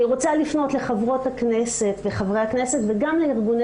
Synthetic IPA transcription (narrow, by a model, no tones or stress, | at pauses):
iʁot͡salifno̞t̪le̞χavʁo̞thaknese̞tveχavʁehakne̞se̞tveɡamleiʁɡun